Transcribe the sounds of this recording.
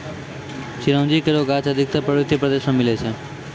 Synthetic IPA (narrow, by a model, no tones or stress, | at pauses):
ʃiɾə̃md͡ʒikeɾoɡat͡ʃəd̪ʱik̚t̪əpɾəʋit̪ːipɾəd̪eʃmamilet͡ʃʰe